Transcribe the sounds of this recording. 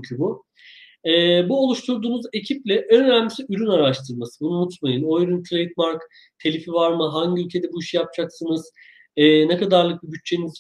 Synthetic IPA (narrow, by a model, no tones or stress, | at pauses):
ɲcʰybu | ɛːbuolˠuʃt̪ʰuɾd̪uːnuze̞cʰiplʲɛʔønønæmmisiyɾynaɾaʃt̪ʰɯɾmasɯbunumut̪majɯno̞jɾuntʰlʲejt̪maɾk | t̪ʰe̞lʲifivaɾmɯɦaɲɟiylʲcʰe̞d̪ɛbuiʃijap̚d͡ʒaksɯnɯz̥ː | nekad̪aɾlˠɯk̚bɯbyt͡ʃ̚t͡ʃʰːe̞niz